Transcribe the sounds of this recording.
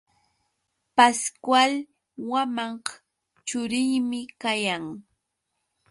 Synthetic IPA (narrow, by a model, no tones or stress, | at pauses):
paskwal | wamɑɴɢ | t͡ʃʊɾɪjmɪkajaŋ